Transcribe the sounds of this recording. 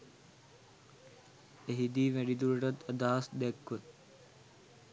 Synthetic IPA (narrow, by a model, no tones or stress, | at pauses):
eɦid̪iːʋæɖid̪uɾɐʈɐt̪ɐd̪aːsd̪ɛkːʋut̪